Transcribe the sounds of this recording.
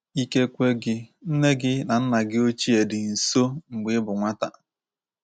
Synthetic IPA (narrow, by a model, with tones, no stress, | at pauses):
i˦ke˦kʷe˦ɡɪ˦n̩˦ne˦ɡɪ˦na˨n̩˦na˨ɡɪ˦o˦t͡ʃi˦e˨dɪ˨n̩˨so˦ŋ͡m̩˨ɡ͡bɪ˨˦bʊ˨ŋʷa˦ta̰˨